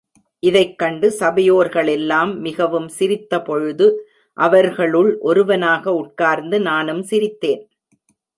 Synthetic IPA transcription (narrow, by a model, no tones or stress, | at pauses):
ʔɪðɐɪkːɐɳɖɯsɐbɐjoːɾɣɐɭɛlːaːmːɪɣɐʋɯmsɪɾɪt̪ːɐpɔɻɯðɯ | ʔɐʋɐɾɣɐɭɯɭʔɔɾɯʋɐnaːɣɐʊʈ̚kaːɾnd̪ɯnaːnɯmsɪɾɪt̪ːeːn